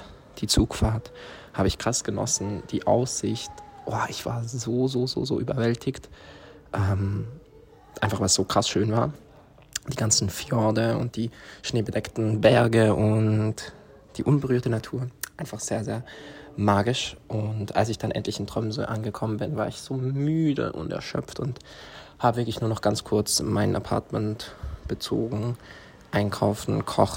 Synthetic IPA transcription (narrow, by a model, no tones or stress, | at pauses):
d̥iːt͡suːkfaːɐthaːbəɪçkʁ̥asɡ̥ənɔ̰sn̩d̥iːʔa̰ʊsz̥ɪçtʔoɐʔɪçv̥a̰ːɐzoːzoːzo̰ːzo̰ːʔyːbɐvɛltʰɪçt | ʔɛːm | ʔa̰ɪnfaχv̥aɪlsz̥oːkʁ̥asʃøːnvaːɐ | d̥iːɡant͡sn̩fjɔɐdəʊ̰nt̚d̥iːʃneːbədɛktn̩bɛɐɡəʔʊnt | d̥iːʔʊnbəʁ̞yːɐtənatʰuːɐʔaɪnfaχz̥eːɐzeːɐmaːɡɪʃʔʊntʔa̰lsɪçd̥anʔɛ̰ntʰlɪçɪntʁ̥ɔmzɔ̰ʔa̰nɡəkʰɔmənbɪnvaːɐɪçz̥oːmyːdə̰ʔʊ̰ntɛ̰ɐʃœ̰pp͡ftʊnt | haːbəvɪɐklɪçnuːɐnɔχɡ̥ant͡skʰʊɐt͡smaɪnʔa̰pʰa̰ɐtmɛntb̥ət͡so̰ːɡŋ̩ | ʔaɪnkʰaʊfn̩kʰɔ̰χ